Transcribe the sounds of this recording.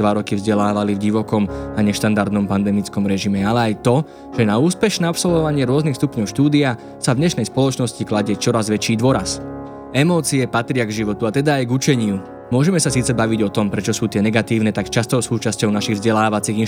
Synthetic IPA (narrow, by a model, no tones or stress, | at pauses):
ʋaɾɔkivzɟɛlaːʋalivɟiʋɔkɔmaɲɛʃt̪and̪aɾd̪nɔmpand̪ɛmit͡skɔmɾɛʒimɛalɛajt̪ɔ | ʒ̥ɛnauːspɛʃnɛapsɔlʋɔʋaɲɪɛɾʊɔznixst̪upɲɔʊʃt̪uːd̪ia | savɲɛʃnɛjspɔlɔt͡ʃnɔsciklaɟɛt͡ʃɔɾazʋɛt͡ʃiːd̪ʋɔɾas | ɛmɔːt͡siɛpat̪ɾɪaɡʒiʋɔt̪uat̪ɛd̪aːjɡut͡ʃɛɲɪu | mʊɔʒɛmɛsasiːt͡sɛbaʋiɟɔt̪ɔmpɾɛt͡ʃɔsuːt̪ɪɛnɛɡat̪iːʊnɛt̪akt͡ʃast̪ɔʊsuːt͡ʃascɔʊnaʃiɣvzɟɛlaːʋat͡siːɣi